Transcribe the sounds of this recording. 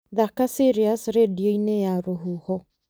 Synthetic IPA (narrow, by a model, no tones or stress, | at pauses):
ðakasiɾiasɾedioinejaɾoɦuhɔ